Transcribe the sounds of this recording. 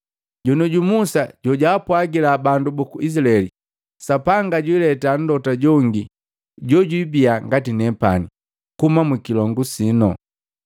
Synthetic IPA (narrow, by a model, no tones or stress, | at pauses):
ɟɔnɔɟumusaɟ̥ɔɟaːpwaɡilabandubukuʔis̬laɛli | sapaŋɡaɟwilɛtan̩dɔtaɟɔŋɡi | ɟɔɟwibiaŋɡatinɛpa̰ni | kumamwikilɔŋɡusinɔ